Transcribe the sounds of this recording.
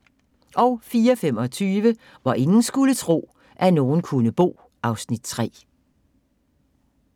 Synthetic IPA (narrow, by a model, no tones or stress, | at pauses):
ʔɒ̽ʊfiːɐɒfem̰ɒ̽t͡sʰyːʋə | ʋɑ̈ʔe̝ŋn̩sɡ̥ulət͡sʰʁo̝̰ː | ʔæno̝ːn̩kʰunəb̥o̝̰ː | ɑ̈ʊsnid̥̚t͡sʰʁɛ̰ː